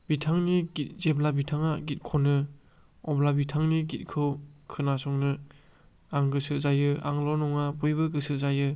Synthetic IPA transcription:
b̥itʰaŋniɡit̚zeblabitʰaŋaɡit̚kʰɔnɯ | ɔblabitʰaŋniɡit̚kʰɯwkʰɯnasɔŋnɯ | aŋɡɯsɯzajɯʔa̰ŋlɔnɔŋabujbɯɡɯsɯzajɯ

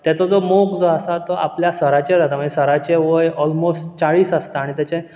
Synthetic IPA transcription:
t̪jat͡sɔd͡zomokd͡zoasat̪ɔʔa̰pljasəɾat͡ɕeɾat̪am̤əɳd͡ʑesəɾat͡ɕeʋəjɔlmosʈt͡saɭiːsəst̪aːɽ̃it̪jat͡ɕe

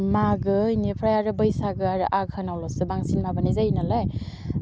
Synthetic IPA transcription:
maɡɯjnipʰɾajaɾɯbɯjsaɡɯaɾɯʔaɡhɯnawlɔsɯbaŋsinmabanizajnalaj

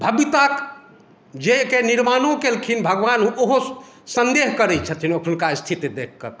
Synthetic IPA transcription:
bʱəbit̪ak | d͡ʒekeniɾmanõkelkʰinbʱəɡʋanɦũoɦo | sənd̪eɦkəɾɛt͡ʃʰət̪ʰinəkʰnkast̪ʰit̪id̪ekʰkə̰k

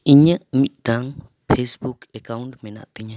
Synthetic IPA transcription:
iɲəʔmit̪̚ˀɖaŋ | pʰesbukɛkawɳʈmɛna̰ʔt̪iɲa

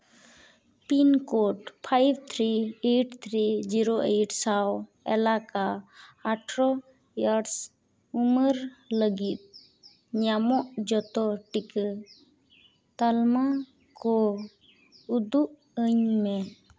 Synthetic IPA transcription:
pinkɔʈpʰajb̚t̪ʰɾieʈt̪ʰɾid͡ʒiɾoʔejʈsaw | ɛ̰lakaaʈʰɾɔ | jaɖs | uməɾləɡit̪̚ | ɲamɔʔd͡ʒɔt̪ɔʈik | t̪alma | kɔ | ud̪uʔ | əɲmɛ

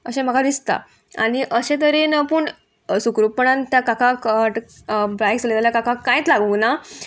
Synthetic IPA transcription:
əɕẽm̤əɡad̪ist̪a̰ | a̰ɽ̃iʔəɕẽt̪̬əɾenapuːɳ | sukɾupəɳãnt̪jakakakəʈ | bɾajkslet̪aljakakakãj̃t͡slaɡuna

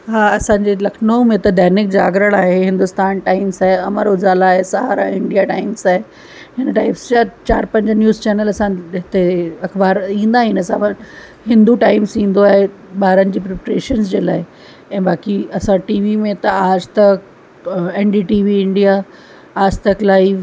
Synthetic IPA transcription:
ɦaːɐsãːɲd͡ʑeːlɐkʰnoːmẽt̪ɐd̪ʱɛɦnɪk̚d͡ʑaːɡɾəɽaːɦeɦɪ̃nd̪ʊst̪aːnʈaːɪmsaːɦeɐməɾʊd͡ʑaːlaːɦesɐɦa̰ːɾa̰ɪ̃ɳɖijaʈaːɪmsaːɦe | ɦɪnəʈaːɪpsd͡ʑaːt͡ɕaːɾpɐ̃ɲd͡ʑnjuːzt͡ɕɛːnəlɐsãɦɪt̪eɐxbaːɾĩːn̆d̪aɦɪ̃nəsãʋɐ | ɦɪ̃nd̪uʈaːɪmsĩːn̆d̪oaːɦe | ɓaːɾənɪ̆d͡ʑiːpɾepɾḛːʃənsd͡ʑeːla̰ːɪ | ɛ̃ːbaːkiɐsãʈiːʋimẽt̪ɐaːd͡ʑt̪ɐk | ɛːnɖiːʈiːʋiɪ̃ɳɖija | aːd͡ʑt̪ɐklaːif

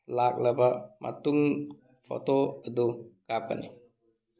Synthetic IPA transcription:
lak̚ləbamʔa̰t̪uŋ | fo̰t̪oəd̪ukap̚a̰nḭ

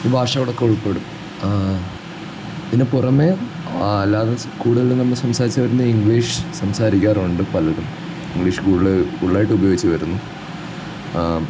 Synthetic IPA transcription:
iːbʱaːʂɐoɽokːe̞oɭpːeːɽum | ðinːepurɐme | ɐlːaːðe | kuːɽuɣɐɭunɐmːɐɭsɐmsaːɾit͡ɕːɨʋɐɾunːɐiŋɡɭiːʂɨ̥sɐmsaːɾikʲːaːruɳɖɨpɐlɐɾum | iŋɡɭiːʂɨ̥kuːɽuɭɨuɭɭaːjiʈːɨubɐjoːɡit͡ɕːɨʋɐɾunːu

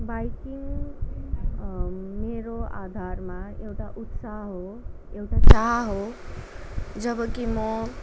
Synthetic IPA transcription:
bajkiŋ | meɾoad̪ʱarmaewʈaʔut̪saɦɦo | ewʈat͡saɦɦo | d͡zʌbʌkimʌ

